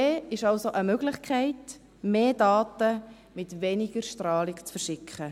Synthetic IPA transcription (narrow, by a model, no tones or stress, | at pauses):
eːɪʃɑlsoʔəmøɡlɪχkʰχɛɪt | meːdɑːtə | mɪtʋɛnɪɡ̥əɾʃtɾrɑːlɪkt͡sfəɾʃɪkʰχə